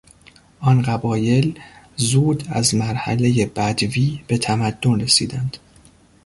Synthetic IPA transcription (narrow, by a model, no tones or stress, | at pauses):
ʔɒnɢæbɒːje̞l | zuːd̪æ̰zmæɾhæ̰le̞jebæd̪viːb̥e̞t̪ʰæmæd̪̥ːo̞nre̞sḭːd̪ænd̪̥